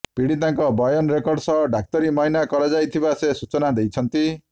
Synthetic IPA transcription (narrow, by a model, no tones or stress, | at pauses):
piɽit̪aŋkɔbɔjɔnɾekɔɾɖsɔɖak̚t̪ɔɾimɔɦinakɔɾad͡ʒajt̪ʰibasesut͡ʃɔnad̪ejt͡ʃʰʌnt̪i